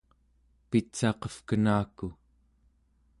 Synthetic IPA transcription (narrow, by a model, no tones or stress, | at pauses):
pit͡ʃɑqʌfkənaːku